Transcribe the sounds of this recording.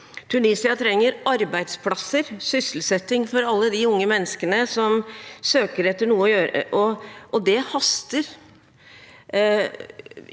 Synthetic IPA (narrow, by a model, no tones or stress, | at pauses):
t̪ʰʉniːsɪɑt̪ʰɾɛŋːəɾɑɾbæɪd̪spʰlɑsəɾsʏsəl̩sɛt̪ːɪŋfɔɾɑlːəd̪ɪʊŋːəmɛnːəskənəsɔmsøːkəɾɛt̪ːəɳuːəɔjøːɾə̰ʔɔʔɔd̪ɛhɑst̪əɾ